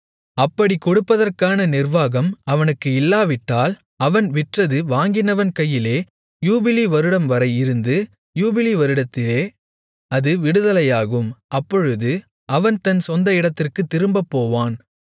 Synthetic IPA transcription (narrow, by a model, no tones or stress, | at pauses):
ɐpːɐɽikɔɽɯpːɐðɐrkaːnɐnɪrʋaːɣɐmɐʋɐnɯkːɯɪlːaːʋɪʈːaːl | ɐʋɐnʋɪʈrɐðɯʋaːŋɡɪnɐʋɐnkɐjːɪleː | juːbɪliʋɐɾɯɽɐmʋɐɾɐɪɪɾɯnd̪ɯ | juːbɪliʋɐɾɯɽɐt̪ːɪleː | ɐðɯʋɪɽɯðɐlɐjaːɣɯmʔɐpːɔɻɯðɯ | ʔɐʋɐnt̪ɐnsɔnd̪ɐɪɽɐt̪ːɪrkɯt̪ːɪɾɯmbɐpːoːʋaːn